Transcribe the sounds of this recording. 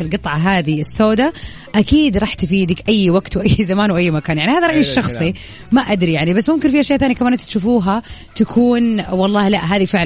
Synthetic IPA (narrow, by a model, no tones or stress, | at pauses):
ɪlɡɨt̪ˤʕɑɦaːðiɪsːoːd̪a | ʔakiːd̪ɾˤɑːħt̪ɪfiːd̪ɪkʔajːwaɡt̪wɪʔajːzamaːnwʔajːmakaːnjaʕnihaːðaɾˤɑʔiːʃːɑxsˤi | maʔad̪ɾijaʕnibasːmʊmkɪnfiʔaʃjaʔθaːnikamaːʔɪnt̪at̪ʃufuːɦat̪akʰuːnwɑlˤːɑːhlaʔɦaːðifɪʕl